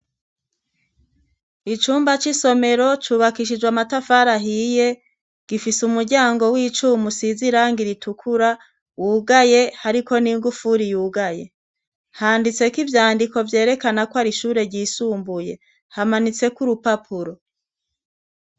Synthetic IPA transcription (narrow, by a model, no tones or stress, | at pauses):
it͡ʃuːmbat͡ʃiso̞me̞ɾo̞t͡ʃuːβakiʃ̬id͡ʒwamatafaːɾaɦije̞ | ɡ̥ifisumuɾɟaːŋɡo̞wit͡ʃuːmusiziɾaŋɡiɾitukʰuɾa | wuːɡaje̞haɾiko̞niŋɡufuɾijuːɡaje̞ | haːndit͡se̞kivjaːndiko̞vje̞ːɾe̞kanakwaɾiʃuːɾe̞ɾɟiːsuːmbuje̞ | hamanit͡se̞kuɾupapʰuɾo̞